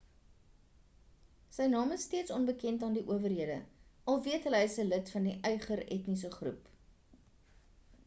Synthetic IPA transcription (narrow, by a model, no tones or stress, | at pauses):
səjnɑːməstiətsɔnbəkɛntɑːndiʔuəvərɦiədəɐlˠviətɦələsələtfɐndiʔœjχəɾɛ̰tnis̬əχrṵp